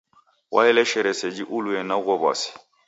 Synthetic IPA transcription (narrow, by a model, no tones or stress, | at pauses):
wʔa̰jɛlɛʃɛɾɛsɛd͡ʒiʔulujɛnaɡɔba̰si̥